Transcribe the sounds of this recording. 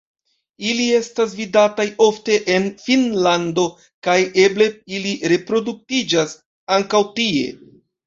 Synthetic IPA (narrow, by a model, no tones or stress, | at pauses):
ilie̞stas̬vidatajo̞fte̞ʔenfinlando̞ | kaje̞ble̞iliɾe̞pɾo̞duk̚tid͡ʒas | aŋkawtie̞̰